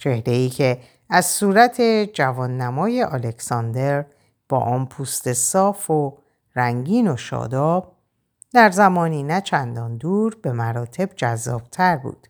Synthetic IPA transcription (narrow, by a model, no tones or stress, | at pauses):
t͡ʃʰe̞hɾe̞iːcʰe̞ | æzsuːɾæt̪ʰe̞d͡ʒævɒːnːæmɒːje̞ʔɒle̞kʰsɒnd̪e̞ɾ | b̥ɒ̰ːʔɒːnpʰuːst̪e̞sɒːfo | ɾæŋɟiːnoʃɒ̰ːd̪ɒːb̥̚ | d̪æɾzæmɒːniːnæt͡ʃʰænd̪ɒːnd̪uːɾbe̞mæɾɒːt̪ʰe̞b̥d͡ʒæzːɒ̰ːb̥̚t̪ʰæɾbṵːd̪̥